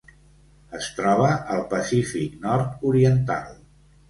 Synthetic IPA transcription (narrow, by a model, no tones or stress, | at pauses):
əst̪ɾɔβəʔəlˠpəsifiknɔɾt̪uɾiənt̪a̰lˠ